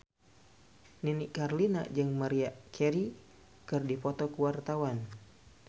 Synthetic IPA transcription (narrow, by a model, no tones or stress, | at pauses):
ninikarlina̰d͡ʒɨŋmaɾiakʰɛɾi | kɨrdipɔt̪ɔkuwart̪awan